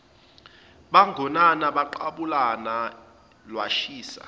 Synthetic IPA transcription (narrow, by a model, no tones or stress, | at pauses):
ɓaŋʱɔnanaɓaǃaɓulana | lwaʃiːsa̰